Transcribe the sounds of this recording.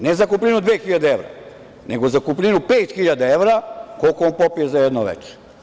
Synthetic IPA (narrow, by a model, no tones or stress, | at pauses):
nezakuplʲinud̪ʋeːxiʎad̪eeʋɾa̰ | nḛɡo̞zakuplʲinupeːt̪xiʎad̪aeʋɾakolkooːnpopijezajɛd̪noʋḛt͡ʃe̥